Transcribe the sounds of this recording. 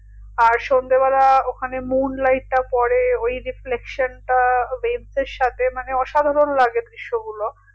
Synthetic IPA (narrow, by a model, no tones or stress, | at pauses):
aɾʃond̪ebalaokʰanemunlajʈ̚ːapɔɾeojɾiflekʃonʈabenseɾʃat̪ʰemaneɔʃad̪ʱaɾonlaɡed̪ɾiʃːoɡulo